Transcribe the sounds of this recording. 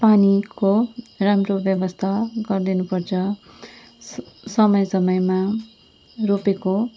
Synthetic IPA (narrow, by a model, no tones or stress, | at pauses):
panikoramrobjʌbʌst̪ʰaɡʌrd̪inupʌrt͡sʰʌ | sʌmʌjsʌmʌjma | ropeko